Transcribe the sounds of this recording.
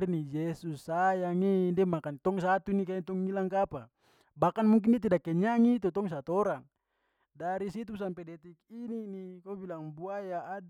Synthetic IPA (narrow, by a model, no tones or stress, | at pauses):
rnid͡ʒesusːajaŋendɛmakant̪ɔŋsat̪unikait̪ɔŋilaŋkapa | bakanmuŋk̬indɛt̪̬idakːɛɲaŋit̪ut̪ɔŋs̬at̪ɔɾaŋ | daɾisit̪us̬ampɛdɛt̪ikininikobilaŋbuajaʔad